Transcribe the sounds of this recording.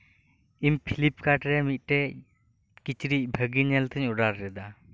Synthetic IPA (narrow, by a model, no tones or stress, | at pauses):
impʰilip̚ʰkaʈɾɛmit̪̚ˀʈɛ | kit͡ʃɾic̚bʱəɡiɲɛlt̪ʰəɲuɖaɾːɛd̪a